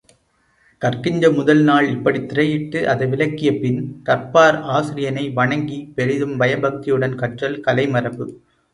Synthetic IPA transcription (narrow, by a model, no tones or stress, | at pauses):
kɐrkɪɲd͡ʒɐmʊðɐlnaːɭɪpːɐɽit̪ːɪɾɐjɪʈːɯʔɐðɐɪʋɪlɐkːɪjɐpɪnkɐɾpaːɾaːsɪɾɪjɐnɐɪʋɐɳɐŋɡipɛɻɪðɯmbɐjɐbɐk̚t̪ɪjɯɽɐnkɐʈrɐlkɐlɐɪmɐrɐpːɯ